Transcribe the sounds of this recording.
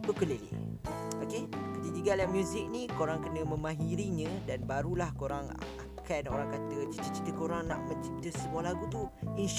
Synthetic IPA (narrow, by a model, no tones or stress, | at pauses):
bəkəle | okekət̪id͡ʒ̪iɡaljaŋmjuzɪk̚nĩkoɾaŋkənə̃mə̃mãɦiɾiɲə̃danbaɾulahkoɾaŋa̰kʰano̰ɾaŋkat̪ət͡ʃi̥t̪ət͡ʃi̥t̪əkoɾaŋnã̰ʔmə̃nt͡ʃit̪əsəbualaɡut̪uinʃ